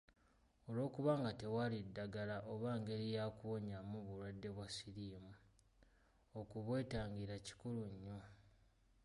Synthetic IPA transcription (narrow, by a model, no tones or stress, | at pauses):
o̞lo̞ːkuβaːŋɡate̞walidːaɡalaʔoβaːŋɡe̞ɾijaːkuoɲamuβulwadːe̞βwasiɾiːmu | okuβwe̞ːtaːɲɡiɾaci̥kuluɲːo̞